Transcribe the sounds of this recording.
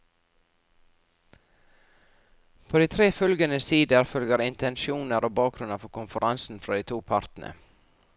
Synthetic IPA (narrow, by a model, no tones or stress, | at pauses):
pʰoːd̪iːt̪ʰɾeːfœlɡənəsiːd̪əɾfœlɡəɾɪnt̪ʰɛnʃuːnəɾʔoːbɑːk̚ɾʉnəfɔɾkʊnfəɾʔɑnsn̩fɾɑːd̪iːt̪ʰuːpʰɑɾt̪n̩ʔə̰